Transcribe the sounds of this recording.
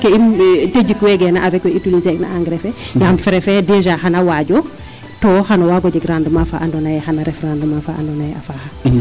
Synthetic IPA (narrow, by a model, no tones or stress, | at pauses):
keimted͡ʒikwɛɡɛnaavɛkwɛitilizɛkna̰aŋɡɾɛfɛjamfɛɾɛfɛdɛʒahanawaɟɔ | tɔxanawaɡɔɟɛɡɾandumafaʔandɔnajɛxanaɾɛfɾandumafaʔa̰ndɔnajɛafaha